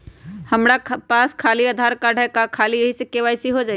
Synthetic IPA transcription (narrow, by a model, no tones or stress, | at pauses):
həmɽapaːskʰaːliad̪ʱaːɾkaːɖʱəkakʰaːliəɦisekeʋaːɪsiɦod͡ʒaːi